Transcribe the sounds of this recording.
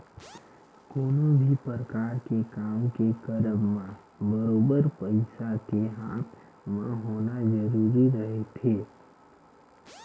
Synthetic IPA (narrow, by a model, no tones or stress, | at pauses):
koːnõbʱipəɾəkaːɾkekaːmkekəɾəbmã | bəɾoːbəɾpəɪsakeɦaːt̪ | mãɦoːnazəɾuːɾiɾəɦet̪ʰeː